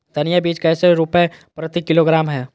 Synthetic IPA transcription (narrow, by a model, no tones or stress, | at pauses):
d̪̥ɐnijabiːt͡ʃkɛːseɾupɛpɾət̪ikɪloɡɾaːmɦɛː